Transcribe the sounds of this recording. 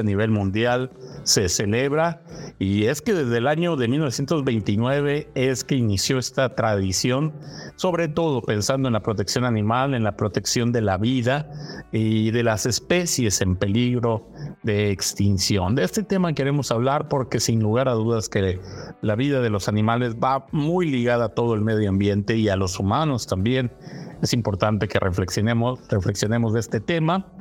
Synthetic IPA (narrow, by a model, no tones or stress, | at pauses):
aniβ̞e̞lmũnd̪jalse̞se̞le̞βɾaie̞ske̞ðe̞zðelaɲo̞ðemilnoesjent̪o̞zβe̞jnt̪inwe̞β̞e̞eske̞inisjo̞e̞st̪at̪ɾaðisjo̞nso̞βɾe̞t̪o̞ð̞o̞pe̞nsand̪oenlapɾo̞t̪e̞ksjo̞nanĩmale̞nlapɾo̞t̪e̞ksjo̞nd̪e̞laβiðaiðe̞lase̞spe̞sje̞se̞mpe̞liɣɾo̞ | ðe̞ːkst̪insjo̞nd̪eest̪e̞t̪e̞make̞ɾe̞mo̞saβ̞laɾpo̞ɾke̞sinluɣ̞aɾaðuðaske̞laβiðað̞e̞lo̞sanĩmale̞zβamujliɣaðat̪o̞ð̞oe̞lme̞ðjoambje̞nt̪e̞ialo̞sumano̞st̪ambje̞ne̞simpo̞ɾt̪ant̪e̞ke̞rʔefleksjonemorefle̞ksjo̞ne̞mo̞zðeest̪e̞t̪e̞ma